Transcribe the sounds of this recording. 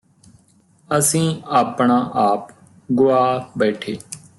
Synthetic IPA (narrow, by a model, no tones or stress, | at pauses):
əsĩːaːpɳaːʔaːp | ɡʊaːbɛːʈʰeː